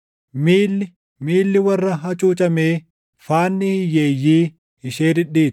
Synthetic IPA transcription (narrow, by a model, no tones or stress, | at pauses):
miːlːɪ | miːlːɪwɐrːɐɦɐt͡ʃʼuːt͡ʃʼɐmeː | faːnːɪhɪjeːjːiː | ɪʃeːd̪ɪᶑiːt̪